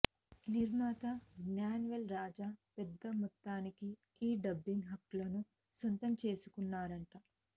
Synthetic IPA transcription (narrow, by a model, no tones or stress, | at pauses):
liɾnaːt̪aɡnaːnuʋɐlɾaːd͡ʒapɛd̪ːɐmɔt̪ːaːniki | iːɖɐbːiŋɦɐkːlɐnu | sɐnt̪ɐmt͡ʃe̞ːsu̥kunːaːɾɐɳʈɐ